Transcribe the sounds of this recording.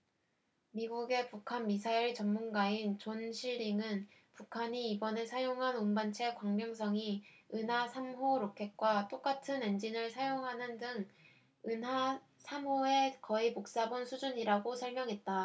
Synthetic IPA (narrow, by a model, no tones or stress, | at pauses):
miɡuɡe̞pukʰanmisʰaiɭt͡ɕʌmmːunɡaint͡ɕonɕʰiɭːiŋɯnpukʰaɲiːbʌne̞sʰajoŋɦanunbant͡ɕʰe̞kwaŋmjoŋsʰʌŋiɯnɦasʰamɦoɾokʰe̞k̚k͈wat͈ok͈atʰɯne̞nd͡ʑinɯɭsʰajoŋɦanɯndɯŋ | ɯnɦa | sʰamɦoe̞kʌipok̚s͈abonsʰud͡ʑuɲiɾaɡosʰʌɭmjʌŋɦe̞t̚t͈a